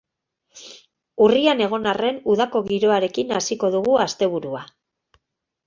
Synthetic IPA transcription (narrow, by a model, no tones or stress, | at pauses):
uriane̞ɣ̞o̞nare̞nuðako̞ɣiɾo̞aɾe̞kinasiko̞ðuɣuast̪e̞β̞uɾua